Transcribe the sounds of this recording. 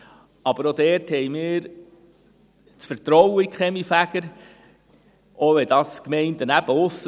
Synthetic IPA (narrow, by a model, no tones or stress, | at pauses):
ɑb̥əɾod̥̪ɛːɾthɛɪjmɪːɾ | t͡sfəɾt̪ɾɔwəikχɛmifæɡ̥əɾ | ʔoʋɛd̥̪ɑskmɛɪnt̪ənæb̥əʊsː